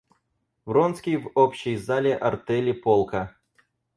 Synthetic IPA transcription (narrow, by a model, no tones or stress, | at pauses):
vronskʲɪjvopɕɪjzalʲɪʔɐrt̪ɛlʲɪpolˠkɐ